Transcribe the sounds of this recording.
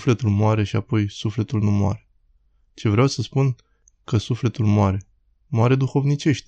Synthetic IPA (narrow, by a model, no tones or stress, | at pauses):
fle̞t̪ulmoaɾe̞ʃiapo̞jsufle̞t̪ulnumoa̰ɾe̞ | t͡ʃe̞vɾeawsəspun | kəsufle̞t̪ulmoaɾe̞ | moaɾe̞d̪uxo̞vnit͡ʃe̞ʃt̪̚ʲ